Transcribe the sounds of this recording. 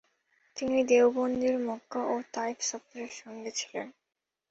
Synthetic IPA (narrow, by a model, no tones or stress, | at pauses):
t̪inid̪ewbond̪ʱiɾmɔɡaʔot̪aifsɔp̚t̪oɾeɾʃɔŋɡet͡ɕʰi̥lḛn